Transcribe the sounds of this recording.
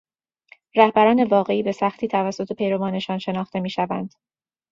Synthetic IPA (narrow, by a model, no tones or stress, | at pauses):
ɾæhbæɾɒːne̞vɒːɣe̞iːbe̞sæxt̪ʰiːt̪ʰævæsːo̞t̪ʰepʰe̞jɾovɒːne̞ʃɒːnʃe̞nɒːχt̪e̞miːʃævænd̪̥